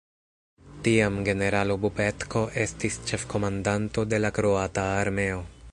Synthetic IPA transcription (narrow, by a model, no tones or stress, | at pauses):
t̪iamɡe̞ne̞ɾalobupet̪ko̞ʔest̪ist͡ʃefko̞mand̪ant̪od̪e̞lakɾoat̪aːɾmeo